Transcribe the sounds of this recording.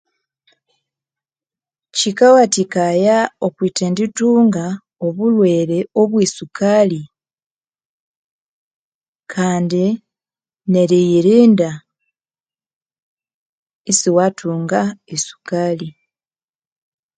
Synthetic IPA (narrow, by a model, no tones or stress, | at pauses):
cikawatikajao̞kwiːtendituːŋɡa | o̞βulwe̞ːɾe̞oβwiːsukali | kʰaːndi | neɾijiɾiːnda | siwatʰuːŋɡaisu̥kali